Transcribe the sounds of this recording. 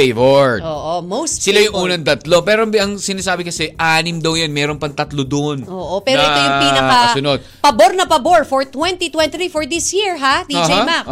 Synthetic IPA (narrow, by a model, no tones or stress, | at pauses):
ejvoɹoːʔomowssɪlajʊŋʔuːnɐŋt̪ɐt̪lo̞pɛːɾoʔɐŋsɪnaːsaːbɪkɐsɛʔaːnɪmd̪ɐwjanmɛːɾonpɐŋt̪ɐt̪lod̪oʔnʔoːʔopɛːɾoʔɛt̪ojʊŋpinɐɐɐsʊnod̪̚pɐboɾnɐpɐboɹfɔɹt̪wɛnt̪it̪wɛ̃nɾifɔɹd̪isjiɹɦad̪iad͡ʒejmak